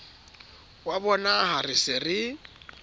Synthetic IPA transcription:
wabɔnaharɪsɪrɪ

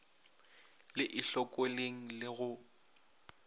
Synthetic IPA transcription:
lɪʔɪɬɔkʼoleŋ̩lɪɣʊ

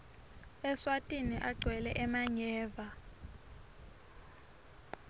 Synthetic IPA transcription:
ɛswatʼiniʔaɡ͡ǀʱwɛlɛʔɛmaɲɛːva

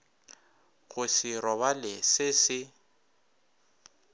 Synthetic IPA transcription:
ɣʊsɪɾɔβalɪsɪsɪ

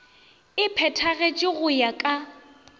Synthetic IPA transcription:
ɪpʰɛtʰaɣet͡ʃʼɪɣʊjakʼa

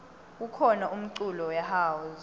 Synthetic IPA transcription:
k̬ukʰɔnaʔum̩ǀulɔjaɦaːwɔz

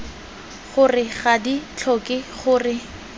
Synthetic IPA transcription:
χʊrɪχadit͡ɬʰɔkʼɪχʊːrɪ

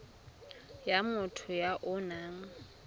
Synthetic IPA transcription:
jamʊtʰʊjaʔʊnaːŋ̩

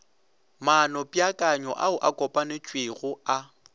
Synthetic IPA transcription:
manɔpʼjakʼaɲɔʔa̰ʊʔakʼɔpʼanɪt͡ʃʼweɣʊa

